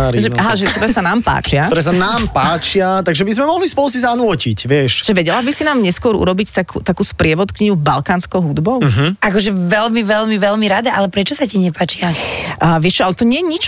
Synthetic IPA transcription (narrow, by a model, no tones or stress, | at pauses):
ʒɛaɦaʒɛt̪ɔɾɛsanaːmpa̰ːt͡ʃɪaɔɾɛːs̬anaːmpaːt͡ʃɪat̪aɡʒɛbizmɛmɔɦlispɔlˠus̬izanʊɔcicʋɪɛʃʒ̥ɛʋɛɟɛlabisinaːmɲɛskʊɔɾṵɾɔbict̪akṵt̪akuːspɾɪɛʋɔt̪kɲiɲubalkaːnskɔʊɦud̪bɔʊɦʔakɔʒɛʋɛlmiʋɛlmiʋɛlmiɾad̪aʔalɛpɾɛt͡ʃɔsaciɲɛpaːt͡ʃiaːʋɪɛʃt͡ʃɔalɛt̪ɔɲɪɛjɛɲit͡ʃ